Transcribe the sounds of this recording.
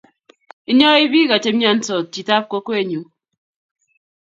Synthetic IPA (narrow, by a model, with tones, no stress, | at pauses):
i˦ɲɔ˦i˦bi˦ɣa˨t͡ʃe˦ja˦n̩˦tɔ˨ti˨ta˦p̚ko˦ko˦e˨ɲu˨